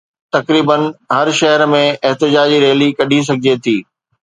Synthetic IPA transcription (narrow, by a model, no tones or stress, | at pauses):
t̪ɐkɾiːbənɦɐɾʃɐɦəɾmẽɪɦt̪ɪd͡ʑaːd͡ʑiɾeːlikɐɗʱis̬ɐɡʱɪd͡ʑet̪ʰiː